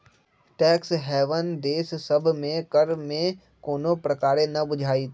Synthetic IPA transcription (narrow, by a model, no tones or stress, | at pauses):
ʈɛːksɦɛːʋənd̪eːssɐbʱmẽkəɾmẽ | koːnopɾɐkaːɾenɐbʊd͡ʒʱaːit̪